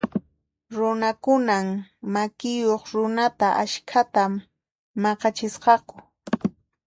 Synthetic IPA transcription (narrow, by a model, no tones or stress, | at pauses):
ɾʊnakʊnammakɪjoχɾʊnat̪aʔaʃkʰat̪amː | ɑqɑt͡ʃɪsqɑkʊ̥